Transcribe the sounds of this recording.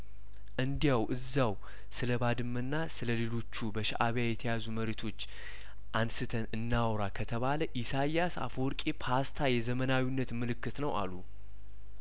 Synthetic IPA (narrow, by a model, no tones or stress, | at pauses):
ʔɨnd̪ijawʔɨzːaw | sɨləbad̪ɨmːɨnːasɨləle̞lo̞t͡ʃːubəʃa̰ʔaβjajɛt̪ʰəjazuməɾet̪ʰo̞t͡ʃː | ʔansɨt̪ʰənɨnːawɾakʰət̪ʰəβaləʔisajasa̰foɾkʼepʰast̪ʰajɛzəmənawinːət̪mɨlɨkːɨt̪nəwa̰lːu